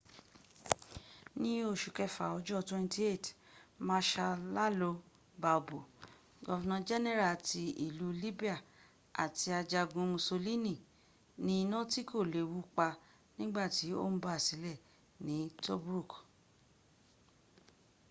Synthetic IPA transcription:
nĩ˨˦o˧˨ʃu˨kɛ˧fa̰˨ɔ˧˦d͡ʒɔ˦twɛ̃˧n˦ti˦e˦˨t | mã˦ʃa˧la˦lo˧ | ba˧˨bo˨ | ɡɔ˦vɛ˧˨nã˧d͡ʒɛ˦nɛ˦ɾa˨ti˧i˨lu˨˦li˦bi˦a˦˨ | a̰˨ti˧a˧d͡ʒa˧ɡũ˧mũ˧so˧li˦nĩ˦˨ | nĩ˦i˧nã˦ti˦kʰo˦˨le˨wu˦k͡pa˧ | nĩ˦ɡ͡ba˦˨ti˨˦o̰˦m̩̃˦ba˦a˨si˨˦lɛ˦˨ | nĩ˨˦to˦bɾu˦˨k

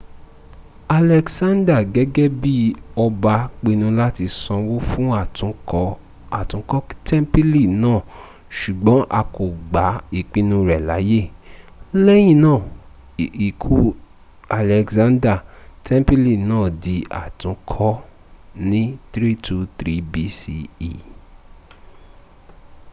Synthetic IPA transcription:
a˨lɛ˨ksã˦nda˦˨ɡɛ˦ɡɛ˦bi˦ɔ˧ba˧k͡pe˧nũ˧la˦ti˧sɔ̃˧wo˦fũ˦a˨tũ˨˦ | a˨tũ˨˦kɔ˦tʰɛ̃˦mpi˦li˦˨nãː˦˨ | ʃu˨ɡ͡bɔ̃˨˦ʔa˧ko˨ɡ͡ba˨˦i˦˨k͡pi˧˦nũ˧ɾɛ˨la̰˨˦je˦ | lɛ˦j̃ĩ˦˨nãː˦˨ | i˨kʰu˦ | a˨lɛ˨kzã˦nda˦˨tɛ̃˦m˦pi˦li˦˨nãː˦˨di˨˧a̰˨tũ˨˦kʰɔ˦ | nĩ˦t̪ɾi˦tʰu˧t̪ɾi˨˦bi˦si˧i˨

